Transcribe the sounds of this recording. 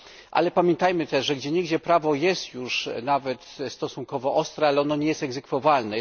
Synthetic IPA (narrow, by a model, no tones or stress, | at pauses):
ʔa̰lɛpamʲjɛnt̪ajmɘt̪ɛʂʐɛɡd͡ʑɛɲeɡd͡ʑɛpɾavɔjɛst̪juʂnavɛt̪st̪ɔsuŋkɔvɔʔɔst̪ɾɛalɛɔnɔɲɛjɛst̪ɛɡzɛkfɔvalnɛ